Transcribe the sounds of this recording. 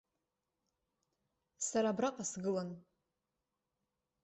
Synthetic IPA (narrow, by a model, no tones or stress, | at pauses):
saɾabraqʼasɡɨlan